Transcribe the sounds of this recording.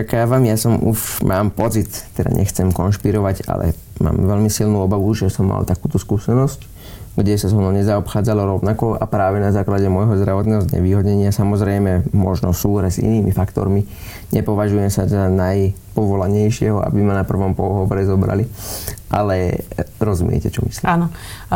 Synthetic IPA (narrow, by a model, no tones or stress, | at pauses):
akaːʋamjasɔmuʃmʔaːmpɔt͡sit̪ːɛd̪a̰ɲʔɛ̰xt͡sɛmkɔnʃpiɾɔʋaɟa̰lɛ̰ | ma̰ːmʋɛʎmisilnuːɔbaʋuʒɛsɔmːa̰lt̪akuːt̪ɔskuːsɛnɔsc | ɡɟɛsazɦɔnɔɲɛzaɔpxaːd͡zalɔɾɔʊnakɔa̰pɾaːʋɛnazaːklaɟɛmɔjɦɔzd̪ɾaʋɔt̪nɛːɦɔzɲɛ̰ʋiːɦɔdɲɛɲɪasamɔzɾɛjmɛmɔʒnɔsuːɦɾɛzḭniːmifakt̪ɔ̰ɾmi | ɲɛpɔʋaʒujɛmsazanaj | pɔʋɔlaɲɛjʃɪɛɦɔʔa̰bimanapr̩ʋɔmpɔɦɔʋɔɾɛzɔbɾa̰liʔalɛɾɔzumɪɛ̰cɛt͡ʃɔmi̥slianɔ